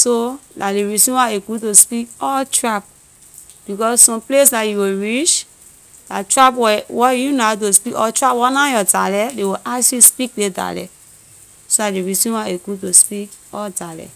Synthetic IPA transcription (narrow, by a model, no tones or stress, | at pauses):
solaleɾisĩwaekutospikɔtɾap̚ | b̥ikɔssɔ̃mplesdajuweɹit͡ʃ | la̰tɾapwɛwɔjunatospikɔtɾapwɔnãjɔtalɛdewoʔasispik̚deda̰lɛ̰ | solaleɾisĩwaekutospikɔdalɛ̰